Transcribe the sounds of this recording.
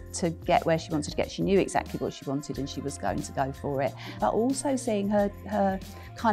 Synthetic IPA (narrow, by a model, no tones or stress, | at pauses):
tʰəɡ̥ɛ̰ʔwəʃiwɒ̃ntɪd̚tʰɡɛ̰ʔʃinjʉːɪ̰ɡz̥a̰k̚tʰliwɒ̰tʃiwɒ̃ntʰɪdə̃nʃiwɒzɡ̥əʊɪ̃ŋtʰəɡəʊfəɹɪʔ | b̥ʌ̰ʔɔˑlˠsəʊsiːɪ̃ŋəə | kʰãɪ̃